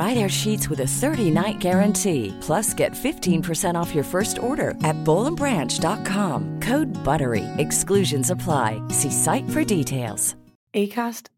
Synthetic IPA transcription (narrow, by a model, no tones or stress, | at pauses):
ɹaɪɾaʊə˞ʃitswəðɨθɜ˞ɾinaɪt̚ɡ̥ɛɹɨ̃ntʰipʰl̥ʌsɡ̥ɛ̰tfɪftʰĩnpʰə˞sɛ̃ɾ̃ɔfjə˞fɜ˞stʰɔɹɾə̰˞ɨt̚b̥oʊlˠə̃mbɹæ̃nt͡ʃd̥ɑt̚kʰɑ̃mkʰoʊd̚bʌɾə˞ḭɨksklʉʒɨ̃nsəpʰl̥aɪsisaɪtfə˞ditʰeɪlˠz̥ | ekʰæst